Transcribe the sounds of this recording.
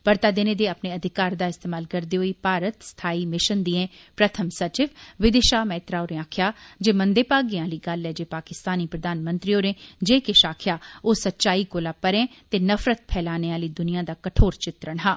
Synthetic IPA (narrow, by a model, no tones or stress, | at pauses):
pəɾt̪aːd̪eneːd̪eːəpneːəd̪ʱɪkaːɾd̪aːɪst̪eːmaːlkəɾd̪iːɦoːiːpaːɾət̪st̪ʰaːiːmɪʃənd̪iẽː | pɾət̪ʰəmsət͡ʃɪʋʋɪd̪eʃaːmɛːt̪ɾaːoːɾẽaːkʰjaːd͡ʒeːmənd̪eːpaːɡiãːliːɡəlːɛːd͡ʒeːpaːkɪst̪aːniːpɾəd̪aːnmə̃nt̪ɾiːoːɾẽːd͡ʒeːkɪʃaːkʰɪjaːoːsətːʃaːiːkoːlaːpəɾẽːt̪eːnəfɾət̪̚pʰɛːlaːneːaːliːd̪ʊnijãːd̪aːkəʈʰoːɾt͡ʃɪt̪ɾəɳɦãː